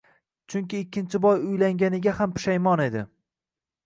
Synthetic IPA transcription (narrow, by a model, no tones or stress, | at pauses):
t͡ʃʰʊŋkʲɪːkʲːɪnt͡ʃʰɪbɒjʊjlaŋɡʲanɪɡʲahampʰʊ̥ʃajmɒne̞d̪ɪ